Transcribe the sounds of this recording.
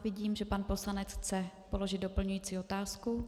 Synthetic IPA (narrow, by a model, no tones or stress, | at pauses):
vɪɟiːmʒɛpanpo̞slanɛt͡sxt͡sɛpo̞lo̞ʒɪd̪do̞pl̩ɲujiːt͡siːo̞t̪aːsku